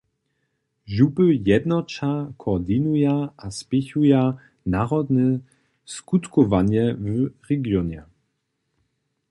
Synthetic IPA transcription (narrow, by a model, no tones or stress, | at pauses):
ʒubəjɛd̪nɔt͡ʃakʰɔd̪inujaaspɪçuja | naʁɔd̪nɛ | skut̪kɔvaɲɛvʁɛɡjɔɲɛ